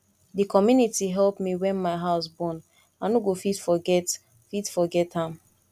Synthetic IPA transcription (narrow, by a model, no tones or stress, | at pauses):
dikɔmjunitiɦɛlpmiwɛ̃nmaɪɦaʊs̬bɔ̃n | anoɡofitfɔɡɛt | fitfɔɡɛthãm